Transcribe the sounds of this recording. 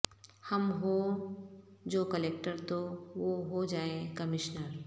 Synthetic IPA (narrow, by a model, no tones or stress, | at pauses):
hɐmɦo | d͡ʒoːkəleːk̚ʈəɾt̪oʋoɦod͡ʒaːekɐmɪʃnəɾ